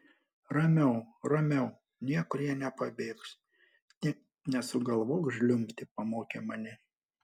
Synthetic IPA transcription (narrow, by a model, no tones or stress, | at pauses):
ɾɐmʲɛʊɾɐmʲɛʊ | nʲiɛkʊɾjiɛnʲɛpɐbʲeːks | nʲ | nʲɛsʊɡɐlˠʋoːkʒʲlʲʊmʲt̪ʲɪpɐmoːkʲemɐnʲɪ